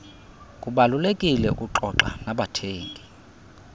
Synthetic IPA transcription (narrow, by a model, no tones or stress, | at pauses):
kʼuɓalulekʼilɛṵkʼuǃɔǃa̰naɓatʰeːŋkʼi